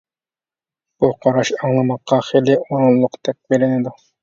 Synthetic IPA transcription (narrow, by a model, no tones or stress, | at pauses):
b̥uqʰɑɾɑʃɑŋlˠɑmɑqːɑχelɪoɾunlˠʊqt̪ʰɛk̚ʲbelɪnɪd̪u